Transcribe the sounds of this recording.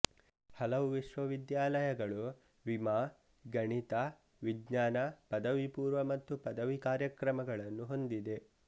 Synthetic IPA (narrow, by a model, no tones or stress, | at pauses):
hɐlɐʋuʋiʃʋɐʋid̪jaːlɐjɐɡɐɭu | ʋimaː | ɡɐɳit̪ɐ | ʋiɡɲaːnɐpɐd̪ɐʋipuːɾʋɐmɐt̪ːupɐd̪ɐʋikaːɾjɐkɾɐmɐɡɐɭɐnːuɦo̞nd̪id̪e̞